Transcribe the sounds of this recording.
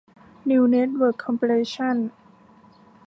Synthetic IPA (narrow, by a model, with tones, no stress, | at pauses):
ni˧wne˦˥t̪̚wəː˧˩kʰːɔ˧mpʰi˧le˧ɕʰa˥˩n